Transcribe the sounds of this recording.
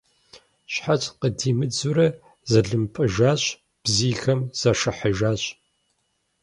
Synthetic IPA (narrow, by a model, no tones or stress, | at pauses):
ɕħat͡ʃʼqədiːmɨd͡zuɾɐ | zɐɮɨmpʼɨʒaːɕʼ | b̥ziːxɐmz̥ɐʂɐħɐʒaːɕʼ